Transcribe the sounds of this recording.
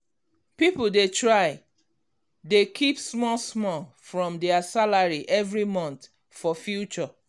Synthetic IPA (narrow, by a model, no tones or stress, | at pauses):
pipuldetɹaɪ | dekʰipsmɔlsmɔl | fɹɔ̃mdɛasalaɹiʔɛvɹimɔ̃nt | fɔfjut͡ʃɔ